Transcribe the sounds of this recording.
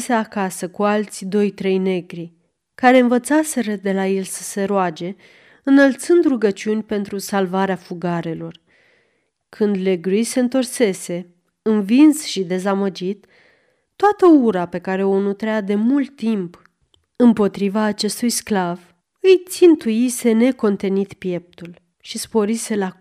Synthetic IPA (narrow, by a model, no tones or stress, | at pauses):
seakasəkualt̪sʲd̪o̞jt̪ɾe̞jne̞ɡɾi | kaɾe̞ɨnvət̪sase̞ɾəd̪e̞laje̞lsə̥se̞ɾoad͡ʒe̞ | ɨnəlt̪sɨnd̪ɾuɡət͡ʃiunʲpe̞nt̪ɾusalvaɾeafuɡaɾe̞lo̞r | kʰɨnd̪le̞ɡɾujse̞ɨnt̪o̞rse̞se̞ | ɨnvinsʃid̪e̞zaməd͡ʒit̪ː | oat̪əuɾape̞kaɾe̞o̞nut̪ɾead̪e̞mult̪ːimp | ɨmpo̞t̪ɾivaːt͡ʃe̞st̪ujsklav | ɨjt̪sint̪ujise̞ne̞ko̞nt̪e̞nit̪pje̞p̚t̪ul | ʃispo̞ɾise̞la